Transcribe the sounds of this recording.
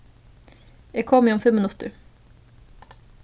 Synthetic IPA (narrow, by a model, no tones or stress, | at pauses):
jæɡ̚kʰɔmːɪɔmfɛmːənɵt̪ːə̰ɾ